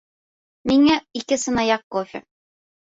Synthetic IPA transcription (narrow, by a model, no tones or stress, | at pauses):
miŋæikɘsɤ̆nɑjɑqːofʲɪ̰